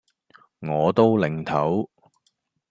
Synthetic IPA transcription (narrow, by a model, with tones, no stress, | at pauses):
ŋɔː˨˧t̪o˥wlɪ˨˩ŋt̪ʰɐ˨˥w